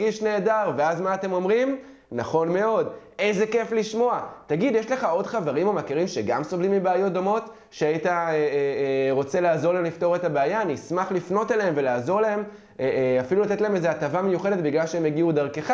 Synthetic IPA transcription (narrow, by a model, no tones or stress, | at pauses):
ɡiʃne̞ːdaʁve̞azmaːte̞mo̞mʁim | naχo̞nme̞o̞de̞jze̞ke̞fliʃmo̞ataɡid̪jeʃle̞χao̞dχaveʁimomakiʁimʃeɡamsovlimːibeajo̞t̚d̪o̞mo̞t | ʃeaitaeʁo̞t͡se̞laːzo̞lemlifto̞ʁetabeajaːnismaχlifno̞taleemvelaːzo̞ʁlee̞m | afilulat̪etlaemezeatavamejuχe̞de̞t̪biɡlalʃeemeɡiud̪aʁkeχa